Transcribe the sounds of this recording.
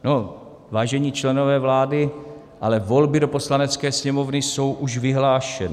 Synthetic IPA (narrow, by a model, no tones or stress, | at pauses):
no | vaːʒɛɲiːt͡ʃlɛno̞vɛːvlaːdɪ | ʔalɛvo̞lbɪdo̞po̞slanɛt͡skɛːsɲɛmo̞vnɪso̞wʔuʃvɪɦlaːʃɛnɪ